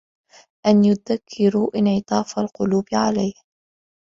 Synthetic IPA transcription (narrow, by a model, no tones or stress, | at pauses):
ʔanjʊðakʰːɪɾuːʔɪnʕɪt̪ˤɑːfalqʊluːbɪʕalajh